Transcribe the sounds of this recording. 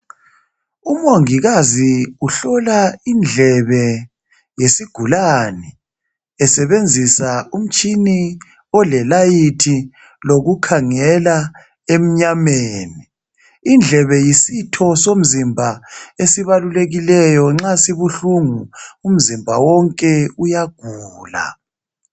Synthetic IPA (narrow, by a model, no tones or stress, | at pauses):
umoŋiɣaziuɬɔlaind͡ɮʱɛβɛ | jesiɡ̥ʱulanɛ | ɛsɛβend͡zʱisaum̩t͡ʃʼini | ɔlɛlajitʰi | loɣukʰaŋɛla | em̩ɲameːniː | nd͡ɮʱɛβɛjisitʰɔsom̩zimbʱaesiβaluleɣilɛjɔŋ͡ǁasiβuɬuŋuum̩zimbʱawɔŋkʼɛujaɡ̥ʱuːla̰